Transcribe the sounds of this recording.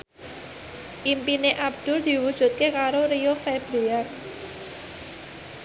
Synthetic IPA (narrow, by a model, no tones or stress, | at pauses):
ʔimpineʔab̚d̪̥ʊ̤rd̪̥i̤wud̥ʒ̥ṳt̪̚kekaɾoɾijofɛbɾeak